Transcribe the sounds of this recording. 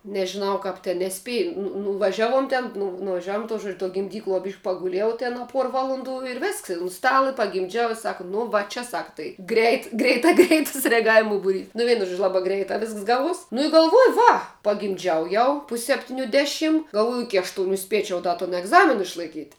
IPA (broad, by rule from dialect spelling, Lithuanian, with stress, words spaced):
nʲɛʒʲɪˈnɐʊ ˈkɐp tʲɪ nʲɛˈsʲpʲiɛ nʊ nʊʋɐˈʒʲæːˌʋuɔm tʲɛn nʊ nʊʋɐˈʒʲæːʋuɔm tuɔ ʒuɔt͡ʃ tuɔ ɡʲɪmʲˈdʲiːklˠuɔ bʲiːʃʲ pɐɡʊˈlʲiɛjɛʊ ˈtʲɛn ɐ ˈpuɔr ˈʋɑːlˠoːnˌduː ɪr ˈʋʲɪsks ɪ ʊn ˈstɑːlˠɐ ɪ pɐɡʲɪmʲˈd͡ʒʲɛʊ ɪ ˈsɑːkɐ nʊ ˈʋɐ t͡ʃʲɛ ˈsɑːkɐ tɐɪ ˈɡrʲɛɪt ɡrʲɛɪˈtɐ ˈɡrʲɛɪtɐs rʲɛɐˈɡɑːʋʲɪmʊ bʊˈrʲiːs nʊ ˈʋʲiɛnʊ ˈʒuɔd͡ʒʲʊ ˈlˠɑːbɑː ˈɡrʲɛɪtɑː ˈʋʲɪsks ˈɡɑːˌʋuɔs nʊ ɪ ɡɐlˠˈʋuɔjʊ ˈʋɐ pɐɡʲɪmʲˈd͡ʒʲɛʊ ˈjɛʊ pʊsʲ sʲɛpʲˈtʲɪnʲʊ ˈdʲæːˌʃʲɪm ɡɐlˠˈʋuɔjʊ ˈɪkʲɪ ɐʃˈtʊnʲʊ ˈsʲpʲiɛt͡ʃʲɛʊ ˈdɐ toːn ɛɡˈzɑːmʲɪn ɪʃlˠɐɪˈkʲiːtʲ